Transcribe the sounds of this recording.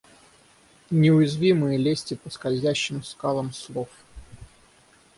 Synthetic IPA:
nʲɪʊjɪzvʲimɨjəlʲesʲtʲɪpəskɐlʲzʲæɕːɪmskalˠəmslˠof

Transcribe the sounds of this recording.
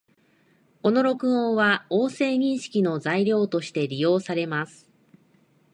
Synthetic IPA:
o̞no̞ɾo̞kɯ̟õɰ̃βaoːse̞ːɲ̟ĩɰ̃ɕi̥kʲino̞zaiɾʲo̞ːt̪o̞ɕi̥t̪e̞ɾʲijo̞ːsaɾe̞masɨ̥

